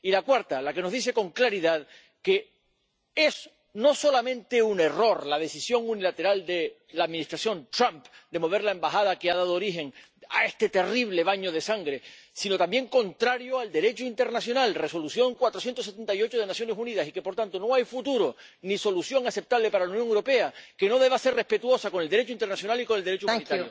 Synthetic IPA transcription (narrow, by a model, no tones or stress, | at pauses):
ilakwaɾt̪alakeno̞zðise̞ko̞ŋklaɾiðað | ke̞ | e̞s | no̞so̞lamẽ̞nt̪e̞une̞ro̞ɾlað̞e̞sisjo̞ŋunilat̪e̞ɾald̪e̞ | laðmĩnist̪ɾasjõ̞nt̪ɾãmpd̪e̞mo̞β̞e̞ɾlaembaxað̞akeað̞að̞oːɾixe̞ŋ | a̰e̞st̪e̞t̪e̞riβ̞le̞β̞aɲo̞ð̞e̞saŋɡɾe̞sino̞t̪ambje̞ŋko̞nt̪ɾaɾjoald̪e̞ɾe̞t͡ʃoint̪e̞ɾnasjo̞nalre̞so̞lusjo̞ŋkwat̪ɾo̞sjent̪os̬et̪e̞nt̪ajo̞t͡ʃoð̞e̞nasjo̞ne̞suniðasike̞po̞ɾt̪ant̪o̞no̞ajfut̪uɾo̞ | niso̞lusjo̞ŋase̞p̚t̪aβle̞paɾalaunjoŋewɾope̞ake̞no̞ðe̞βase̞rre̞hpe̞t̪uo̞sako̞neld̪ɾe̞t͡ʃoint̪ernasjo̞naliko̞neld̪ee̞t͡ʃoumniaɾjo